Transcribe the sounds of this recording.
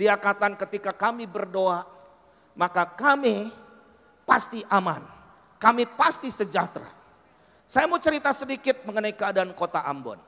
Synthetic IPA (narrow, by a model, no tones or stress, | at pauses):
diakat̪ankət̪ikakamibərdoa | makakami | past̪iʔama̰n | kamipast̪isəd͡ʒat̪ɾa̰ | sajamut͡ʃəɾit̪asədikɪt̪̚məŋənaikəadaankot̪aʔa̰mbɔ̰n